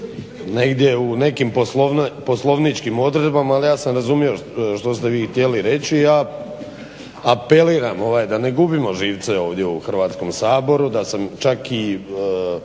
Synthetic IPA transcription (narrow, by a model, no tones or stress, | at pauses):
ne̞ɡd̪ʲje̞une̞kimposloʋnpo̞slˠo̞ʋnit͡ʃkimo̞d̪ɾe̞d̪bamaːlijaːsamɾazumjio̞ʃt̪o̞st̪e̞ʋiːxt̪ʲje̞liɾe̞t͡ɕijaː | ape̞liːɾamoʋaːjd̪aneɡubimo̞ʒiːʋt̪seo̞ːʋd̪je̞uxrʋaːt̪sko̞msaːbo̞ɾud̪asamt͡ʃaki